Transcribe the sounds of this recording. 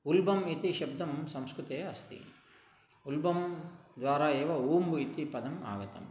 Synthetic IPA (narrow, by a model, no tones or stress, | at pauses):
ulbɐmit̪iʃɐb̚d̪ɐmsɐ̃mskɾut̪eːɐst̪ḭ | ulbɐmd̪ʋaːɾaeːʋɐuːmbuit̪ipɐd̪ɐma̰ːɡɐt̪ɐ̰m